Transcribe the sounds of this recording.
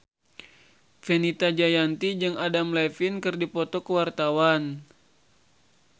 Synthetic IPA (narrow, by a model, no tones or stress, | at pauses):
fenit̪ad͡ʒajant̪id͡ʒɨŋadamlɛfinkɨrdipɔt̪ɔkəwart̪awan